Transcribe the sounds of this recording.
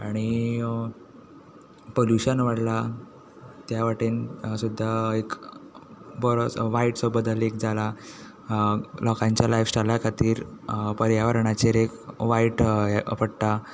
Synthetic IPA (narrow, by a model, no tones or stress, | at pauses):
aɽ̃i | poljuɕənʋaɽla | t̪jaʋaʈiːnsud̪ʱːaek | bəɾot͡sʋaiʈsobəd̪əlekd͡zala | lɔkãɲt͡ɕjalajʋsʈalakʰat̪iːɾpəɾjaʋəɾɳat͡ɕeɾekʋaiʈjəpəɽt̪a